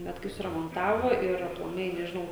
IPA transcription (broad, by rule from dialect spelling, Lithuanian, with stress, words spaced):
ˈbʲɛt kɐɪ sʊrɐmoːnˈtɑːʋoː ɪr ɐplˠɐˈmɐɪ nʲɛʒʲɪˈnɐʊ